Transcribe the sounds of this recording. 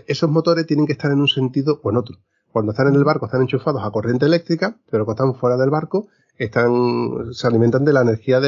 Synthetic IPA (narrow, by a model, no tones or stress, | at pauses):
e̞so̞ɦmo̞t̪o̞ɾe̞ht̪je̞ne̞ŋkest̪aɾe̞nunse̞nt̪iðoʔoe̞no̞t̪ɾo | kwand̪oht̪ane̞ne̞lβaɾkot̪ane̞nt͡ʃufaðo̞sako̞rje̞nt̪̬ele̞k̚t̪ɾikapelokoht̪aɱfwe̞ɾaðelβaɾko | eht̪aŋsealimẽ̞nt̪and̪e̞laene̞ɾxiaðe